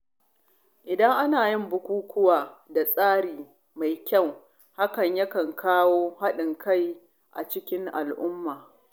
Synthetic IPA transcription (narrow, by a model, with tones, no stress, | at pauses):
ʔɪ˨dɐ˦ŋʔa˦naː˨jɪ˦mbʊ˨kʷuː˦kʰʊ˦waː˨da˨sʼaː˦ɾiː˨ | ma˨jkʲɐ˦˨w | ha˦kɐ˨ɲjɐ˦kɐ˨ŋkʰaː˦woː˦ha˦ɗɪ˨ŋkʰa˦˨j | ʔa̰˨t͡ʃɪ˦kʲɪ˦ŋʔa̰˨lʔʊ˦mːaː˨